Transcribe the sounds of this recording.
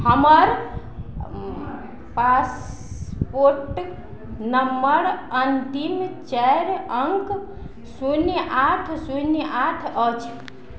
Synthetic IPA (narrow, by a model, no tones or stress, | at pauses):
həməɾ | pas | poɾʈ | nəmːəɾənt̪imt͡ʃɛɾəŋk | sunjʔaʈʰsunjʔaʈʰət͡ʃʰ